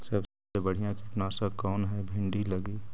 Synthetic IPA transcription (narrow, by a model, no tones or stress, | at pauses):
sɐb | ebɐɽ̤ijãkɪʈnãsakɔːnɦɛbʱɪ̃ɳɖilɐɡiː